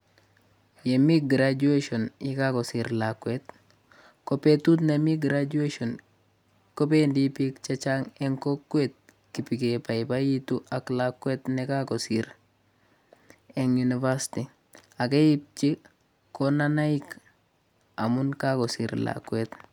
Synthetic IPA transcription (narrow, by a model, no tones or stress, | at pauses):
jemiɡɾad͡ʒueʃonikakosiɾlakwet | kopetut̪̬nemiɡɾad͡ʒueʃon | kop̬endipikt͡ʃat͡ʃaŋeŋkokːwet̪̚ | kipikepaipajituʔaklakːwetnekakosiɾ | eŋunivasti | akejip̚t͡ʃi | konanaik | amunkakosḭɾla̰kwet